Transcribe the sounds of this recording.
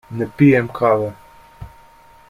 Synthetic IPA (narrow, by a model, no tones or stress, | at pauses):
nɛpijɛmkʰaːʋɛ